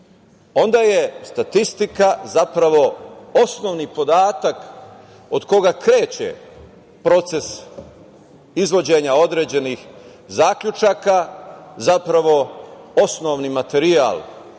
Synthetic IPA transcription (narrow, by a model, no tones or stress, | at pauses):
o̞nd̪aːje̞st̪at̪ist̪ikazapɾaʋo̞o̞sno̞ːʋnipo̞d̪aːt̪ak | o̞d̪ko̞ɡakɾe̞ːt͡ɕḛ | pɾo̞t̪se̞s | izʋo̞d͡ʑeːɲao̞d̪ɾe̞ːd͡ʑe̞nix | zaːkʎut͡ʃaːkazapɾaʋo̞o̞sno̞ʋnimat̪e̞ɾia̰ːl